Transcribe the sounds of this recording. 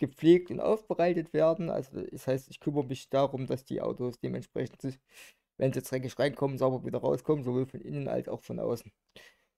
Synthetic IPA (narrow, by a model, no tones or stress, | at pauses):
ɡ̥əp͡fleːk̚tʊntʔa̰ʊfb̥əʁaɪtətv̥eːɐdn̩ʔa̰lzodɛshaɪstɪçkʰʏməʁəmɪçd̥aʁʊmd̥asd̥ḭːʔa̰ʊtosd̥eːmʔɛntʃpʁ̥ɛ̰çn̩tz̥ | vɛnzit͡sʁɛkɪʃʁaɪnkʰɔmənzaʊbɐviːdɐʁaʊskʰɔmənzovoːlfɔnʔɪnənʔa̰lsa̰ʊxfɔnʔa̰ʊsn̩